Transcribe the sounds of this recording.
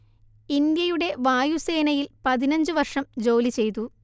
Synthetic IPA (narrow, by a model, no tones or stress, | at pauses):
ind̪jɐjuɽe̞ʋaːjuse̞ːnɐjilpɐðinɐɲd͡ʑɨʋɐrʂɐmd͡ʑo̞ːlit͡ɕe̞jt̪u